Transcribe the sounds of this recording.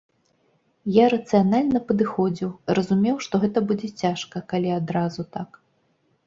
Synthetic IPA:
jaɾɐt̪sɨjanalʲnɐpɐd̪ɨxɔd͡zʲiwɾɐzumʲɛwʂt̪ɔɣɛt̪ɐbud͡zʲɛt͡sʲaʂkɐkalʲiad̪ɾazut̪ak

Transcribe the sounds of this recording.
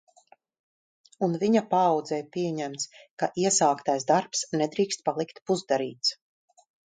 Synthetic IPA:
unviɲapaːwd̪zɛjpiɛɲɛmt̪skaʔiɛsaːkt̪ajsd̪aɾpsnɛd̪ɾiːkst̪̚palˠikt̪puzd̪aɾḭːt̪s

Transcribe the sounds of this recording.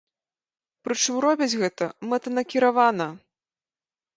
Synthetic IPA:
pɾɨt͡ʂɨmɾɔbʲid͡zʲɣɛt̪ɐmɛt̪ɐnɐkʲiɾavanɐ

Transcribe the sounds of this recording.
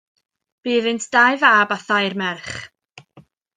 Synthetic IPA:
b̥iːðɨntʰd̥ajvaːbaθajrmɛrχ

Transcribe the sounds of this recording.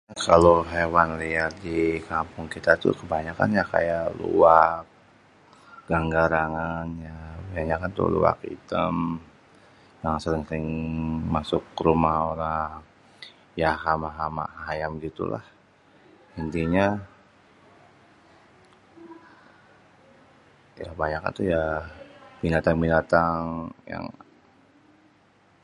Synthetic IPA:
kaloɦewanliatdikampʊŋkit̪at̪ṵkəbaɲaka̰njaka̰jaʔlṵwak̚ | ɡ̥aŋɡaɾaŋanjabaaɲakant̪ṵlṵa̰kḭt̪əm | jaŋsəɾɪŋsəɾɪŋmasʊkːəɾumahoɾaŋ | jaɦamaɦama̰haɦajamɡit̪ṵla̰h | ənt̪iɲa | jabaɲaka̰nt̪uja | b̥inat̪aŋbinat̪aŋja̰ŋ

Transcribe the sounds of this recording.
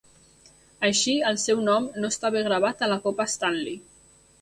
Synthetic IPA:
əʃiəlˠsɛwnɔmnoəst̪aβeɣɾəβ̞at̪ələkopəst̪anli

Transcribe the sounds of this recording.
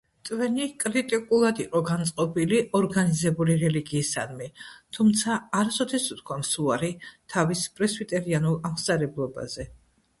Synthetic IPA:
t̪ʼvɛnikʼɾit̪ʼikʼulˠad̪iqʼɔɡant̪sʼqʼɔbiliʔɔɾɡanizɛbuliɾɛliɡiːsa̰nmɛt̪ʰumt̪sʰaːɾsɔt̪ʰɛsut̪̚ʰkʰwamsuaɾit̪ʰavispʼɾɛsbit̪ʼɛɾianulˠamsʼaɾɛblˠɔba̰z̥ɛ

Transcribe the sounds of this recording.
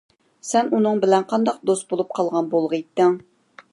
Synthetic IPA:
sɛnunɨŋbɪlɛnqʰɑnd̪ɑq̚d̪ost̪̚bolˠup̚qʰɑlˠʁɑnbolˠʁəjt̪ːɪŋ

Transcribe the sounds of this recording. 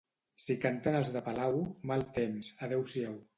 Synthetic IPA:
sikant̪anəlzðəpalawmalˠt̪emsaðɛwsiɛw

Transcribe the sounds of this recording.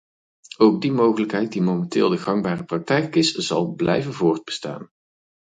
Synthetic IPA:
owɡ̚dimowχələkɦɛjt̚dimowmɛntɪ̰ːlˠdəɣɑŋbaːrəprɑk̚tɛjkɪsz̥ɑ̰lˠblɛ̰jvənvʊːɹd̚bə̥sta̰ːn

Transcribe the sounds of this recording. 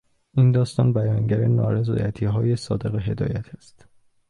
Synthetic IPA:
ʔind̪ɒːst̪ɒːnbæjɒːŋɟæɾenɒ̰ːɾe̞zɒ̰ːjæt̪ʰiːɦɒːjesɒːd̪e̞ɣeɦe̞d̪ɒ̰ːjæt̪ʰæst̪

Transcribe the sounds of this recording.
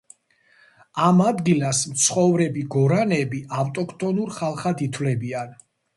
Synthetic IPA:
amad̪ɡilasmt̪sʰχɔvɾɛbiɡɔɾanɛbiaft̪ʼɔkʰt̪ʼɔnuɾχalˠχad̪it̪ʰwlɛbian

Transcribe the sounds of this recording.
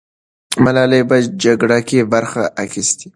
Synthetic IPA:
malɑlebad͡ʒaɡɽakebaɾxaʔːxist̪i̥

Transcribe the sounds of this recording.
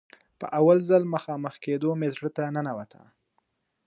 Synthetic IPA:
pə̰ʔawalzəlməxɑməxked̪omezɽət̪anənawat̪ʰa̰

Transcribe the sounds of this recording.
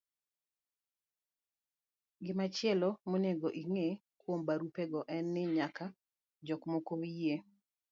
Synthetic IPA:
ɡɪmat͡ʃɪɛlɔmoneɡoʔiŋe | kwombaɾupeɡɔʔɛnːɪɲaka | d͡ʒɔkmokoie

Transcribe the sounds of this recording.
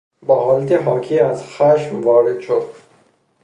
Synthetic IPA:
bɔhɒːlat̪iɦɒːkʰiazχaʃmvɒːɾed̪ʃod̪

